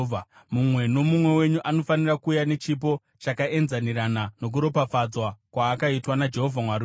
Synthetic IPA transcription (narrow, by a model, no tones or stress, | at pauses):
mumwe̞no̞mumwe̞we̞ɲuʔano̞fanirakuːjane̞t͡ʃip̬o̞ | t͡ʃakaʔe̞nzaniranano̞k̬uɾo̞pafad͡zwakwaːkaitwanad͡ʒe̞ɦovʱamwaɾi